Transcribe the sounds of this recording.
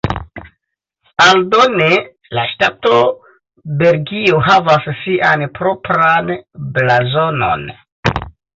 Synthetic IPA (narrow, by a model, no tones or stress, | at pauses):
aldo̞ne | laʃtato̞ | be̞lɡioɦavassiʔanpɾo̞pɾanblazo̞no̞̰n